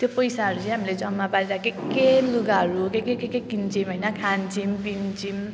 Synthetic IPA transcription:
t̪jopʌjsaɦʌɾut͡sʌ̃j̃ɦamiled͡zʌnmapaɾiɾakʰekeluɡaɦʌɾukekekekekint͡simɦʌjnʌkʰant͡simbimt͡sim

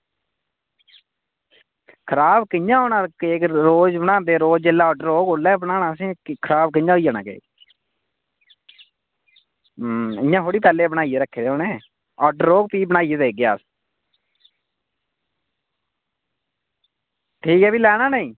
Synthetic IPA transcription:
kʰəɾaːbkɪjãːoːnaːkekɾoːd͡ʒbənãːnd̪eːɾoːd͡ʒd͡ʒelːaːɔːɖəɾoːɡolɛːbnaːnãːsĩːkʰəɾaːb̚kɪɲãːɦoiːjaːna̰ːkḛː | ɪjãːɦoːɽiːpɛːleːbənaːieːɾəkʰːeːd̪eoːnẽː | ɔːɖəɾːoːk̚piːbənaːijeːd̪eːɡɪjaːs | ʈʰiːkɛːbiːlɛːɽaːnəĩː

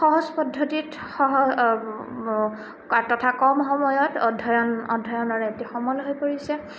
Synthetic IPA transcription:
xɔɦɔzpɔdʱːotit | xɔɦɔ | atɔtʰakɔmxɔmɔjɔtɔdʱɔjɔnɔ̰dʱːɔjɔnɔɹɛetixɔmɔlɦojpoɹisɛ

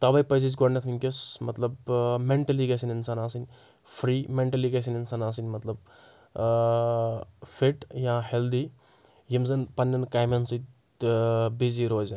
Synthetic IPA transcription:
t̪ɐbɐjpɐjs̬id͡ʒɡoɽnɐt̪ʰinʲkʲesmɐt̪lɐbmeɳʈɐliɡɐsʲɐninsaːnaːsɨnʲ | fʰɾiːmeɳʈɐliɡɐs̬ʲɐninsaːnaːs̬inʲmɐt̪lɐb̚ | fʰeʈjãːheld̪i | jimzɐnpɐnʲːɐnkaːjmɐnsit̪ | biziɾoːzɐn

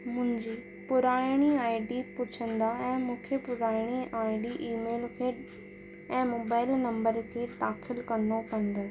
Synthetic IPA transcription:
mʊ̃ɦɪ̃ɲd͡ʑiː | pʊɾaːɽ̃iaːɪɖipʊt͡ɕʰə̃nd̪aɛ̃ːmũːkʰjəpʊɾaːɪɽ̃iaːɪɖiʔiːmeːlkʰeːɗ | ɛ̃ːmoːbaːɪlnɐ̃mbəɾkʰeːt̪aːxɪlkɐnopɐ̃nd̪ə

